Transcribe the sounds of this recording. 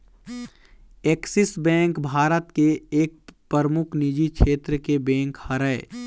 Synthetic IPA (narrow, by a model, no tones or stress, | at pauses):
eːksɪsbɛ̃ːŋkbʱaːɾət̪keeːk̚pɾəɾmʊkʰnid͡ʒikʰeːt̪ɾəkebɛ̃ːŋkhəɾəe